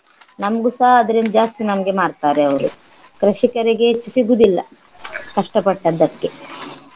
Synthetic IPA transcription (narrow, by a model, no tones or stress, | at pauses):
nɐmɐɡusaːɦɐd̪ɐɾind̪ɐd͡ʒaːst̪inɐmɐɡe̞maːɖt̪aːɾeɐʋɐɾu | kɾɐʃikɐɾiɡe̞t͡ʃːisiɡud̪ilːɐ̰ | kɐʂʈɐpɐʈːɐd̪ːɐkːe̞